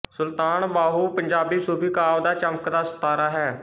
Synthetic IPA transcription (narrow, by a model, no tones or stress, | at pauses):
sʊlt̪aːnbaːɦuːpəɲd͡ʒaːbiːsuːbiːkaːʋd̪aːt͡ʃəməkd̪aːsə̥t̪aːɾaːɦɛː